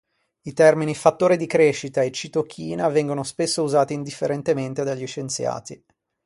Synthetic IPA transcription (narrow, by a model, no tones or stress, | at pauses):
it̪ɛrminifat̪ːoːɾid̪ikɾeːʃːit̪aet͡ʃit̪ok̟ʰːiːnavɛŋɡonospesːouzaːt̪iːnd̪ifːeɾent̪ement̪ed̪aʎːiʃent̪sja̰ːt̪i